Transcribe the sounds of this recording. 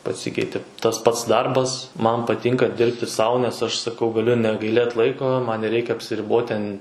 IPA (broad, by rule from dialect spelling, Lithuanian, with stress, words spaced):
pɐˈsʲiːkʲɛɪtʲeː ˈtɐs ˈpɐts ˈdɐrbɐs ˈmɐn pɐˈtʲiːŋkɐ ˈdʲɪrʲpʲtʲɪ ˈsɐʊ nʲɛs ˈɐʃ sɐˈkɐʊ ɡɐˈlʲʊ nʲɛɡɐɪˈlʲeːt ˈlˠɐɪkoː ˈmɐn nʲɛˈrʲɛɪkʲɛ ɐpʲsʲɪˈrʲɪboːt tʲɛn